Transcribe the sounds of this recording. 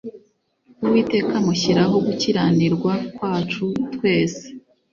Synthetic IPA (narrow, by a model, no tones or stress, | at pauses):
uwiːte̞ːkamuçiɾaɦo̞ɡuciɾaniɾɡwakwaːt͡ʃutkwe̞ːse̥